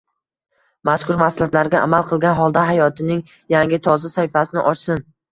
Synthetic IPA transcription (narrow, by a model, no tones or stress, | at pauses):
maskʰʊɾmaslat̪laɾɡʲaʔa̰malˠqʰɨlˠɡʲanɦɒlˠd̪aɦajɒt̪ʰɪnɪŋ | jaŋʲɪt̪ʰɒzasahɪfasɪnɪʔɒt͡ʃsɪn